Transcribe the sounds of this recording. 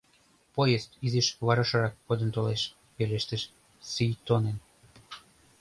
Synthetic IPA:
pojest̪izeʃβɑɾɑʃɑɾɑkːod̪ə̆nt̪oleʃ | peleʃt̪ə̆ʃ | syjt̪onen

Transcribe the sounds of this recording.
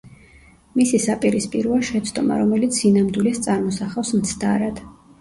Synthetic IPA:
misisapʼiɾispʼiɾuaʃɛt̪sʰd̪ʼɔma̰ɾɔmɛlit̪sʰinamd̪wilɛst̪sʼaɾmɔsaχafsmt̪sʰd̪aɾad̪̥

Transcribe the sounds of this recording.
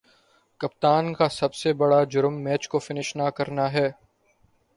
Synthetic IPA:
kɐpt̪aːnkasɐbsebɐɽad͡ʒʊɾmːɛːt͡ʃkofɪnɪʃnakɐɾnaɦɛː

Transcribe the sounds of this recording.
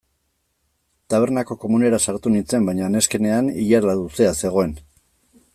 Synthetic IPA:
t̪aβ̞e̞ɾnako̞ko̞mune̞ɾasaɾt̪unint͡se̞mbajɲaːne̞ske̞ne̞aniʎaɾaðuse̞ase̞ɣ̞o̞e̞n

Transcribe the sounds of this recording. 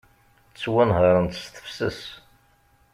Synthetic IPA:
t͡sːwænʁəɾˤənt̪ə̥st̪ə̥fsəs

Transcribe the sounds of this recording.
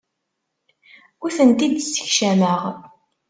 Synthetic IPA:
uθənt̪id̪sə̥çʃæməʁ

